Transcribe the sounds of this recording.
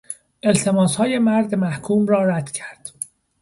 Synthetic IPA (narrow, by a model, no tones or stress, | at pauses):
ʔe̞lt̪ʰe̞mɒːshɒːje̞mæɾd̪mæhkʰuːmɾɒːɾæd̪̥cʰæɾd̪̥